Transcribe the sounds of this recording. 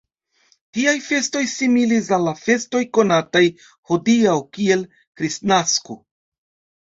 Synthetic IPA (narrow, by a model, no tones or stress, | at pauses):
tiajfe̞sto̞jsimilis̬alːafe̞sto̞jko̞nataj | hodiawkie̞l | kɾisnasko̰